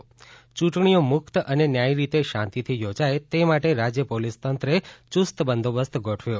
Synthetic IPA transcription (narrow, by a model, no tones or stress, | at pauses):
t͡ʃũʈɳ̃ijomʊkt̪əʔənenjajɾit̪eʃãnt̪it̪ʰijod͡ʒajt̪emaʈeɾad͡ʒjəpolist̪ənt̪ɾet͡ʃust̪bənd̪ʱobəst̪ɡʱoʈʰʋjo